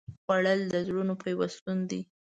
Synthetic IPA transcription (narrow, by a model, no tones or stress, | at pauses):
ɣwaɽəld̪əzɽunopəjwast̪und̪i